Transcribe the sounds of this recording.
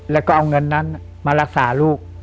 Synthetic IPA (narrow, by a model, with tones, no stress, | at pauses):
lɛː˦˥˩wkɔː˥˩ʔa˧wŋɤ˧nːa˦˥n | maː˧ɾa˦˥˩k̚saː˩˦luː˥˩k̚